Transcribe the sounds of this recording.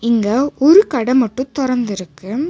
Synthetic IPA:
ɪŋɡɐɔɾɯkɐɽɐmɐʈːɯ̃t̪ʊɾɐɾnd̪ɪɾɯkːɯ

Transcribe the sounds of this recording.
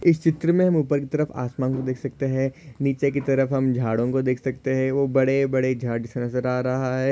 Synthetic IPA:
ɪst͡ʃɪt̪ɾəmẽɦɐ̃muːpəɾkit̪ɐɾəfa̰ːsmãːŋkod̪eːkʰsɐk̚t̪eɦɛ̃niːt͡ʃek̬it̪ɐɾəfɦɐmd͡ʒʱaːɽõkod̪eːkʰsɐkt̪eɦɛ̃ʋobɐɽebɐɽed͡ʒʱaːɾd͡ʒɪsenɐzəɾaːɾɐɦaɦɛː

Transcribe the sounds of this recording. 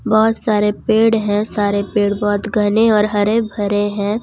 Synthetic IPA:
bɔːʊt̪saːɾepeːɽɦɛ̃saːɾepeːɽbɔːt̪ɡʱɐneɔːɾɦɐɾebʱɐɾeɦɛ̃ː

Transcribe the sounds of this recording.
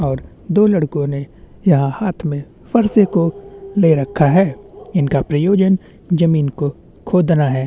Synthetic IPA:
ɔːɾ | d̪oːlɐɽkõne | jɐɦãhaːt̪ʰmẽ | fɐɾsekoleɾɐkʰːaɦɛːɪnkapɾɐjoːd͡ʒən | d͡ʒɐmiːnko | kʰoːd̪naɦɛː

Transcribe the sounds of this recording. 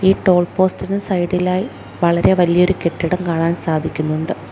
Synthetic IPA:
iːʈo̞ːɭpo̞ːstinɨsɐjɽilaːji | ʋɐɭɐɾe̞ʋɐlijɐo̞ɾuke̞ʈːiɽɐmkaːɳaːnsaːd̪ʱikʲːunːuɳɖɨ

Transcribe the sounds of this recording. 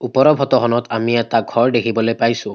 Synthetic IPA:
upɔɹɔbʱɔtɔɦɔnɔtʰamiɛtaɡʱɔɹdekʰibɔlojpajsʊ̃

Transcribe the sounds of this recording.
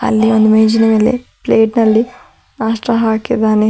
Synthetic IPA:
ɐ̰lːiond̪umeːd͡ʒinɐmeːlḛpleːʈnɐlːi | naːʂʈɾɐɦaːkid̪aːne

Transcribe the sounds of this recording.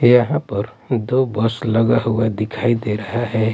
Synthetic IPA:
jɐɦãpɐɾ | d̪oːbəslɐɡaɦuad̪ɪkʰaːid̪eɾɐɦaɦɛː

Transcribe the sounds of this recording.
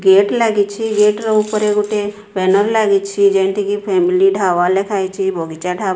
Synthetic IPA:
ɡeʈlaɡit͡ʃʰiɡeːʈɾəupəɾeɡuʈe | bɛnəɾlaɡit͡ʃʰid͡ʒɛ̃nt̪ʰikipʰɛːmiliɖʱaːʋalekʰaːjt͡ʃʰibɔɡit͡ʃaɖʱaː

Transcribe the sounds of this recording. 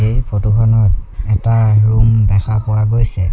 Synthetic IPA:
epʰotukʰɔnɔtɛtaɹumdɛkʰapɔwaɡojsɛ

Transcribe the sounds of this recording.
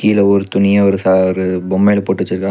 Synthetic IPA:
kiːlɐɔɾɯt̪ʊnɪjɐɔɾɯsaɔɾɯbɔmːeːlɐpoːʈːɯt͡ʃːɯɾɯkːa

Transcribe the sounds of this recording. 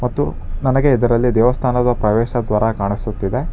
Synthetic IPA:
mɐt̪ːunɐnɐɡe̞id̪ɐɾɐlːid̪ɛːʋɐst̪ʰaːnɐd̪ɐpɾɐʋɛːʃɐd̪ʋaːɾɐkaːɳisut̪ːid̪e̞

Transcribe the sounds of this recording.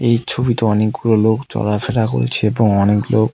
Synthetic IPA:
ejt͡ɕʰobit̪oɔnikkuɾolokt͡ɕɔ̰ɾafeɾako̰lt͡ɕʰeeboŋɔneklok̚

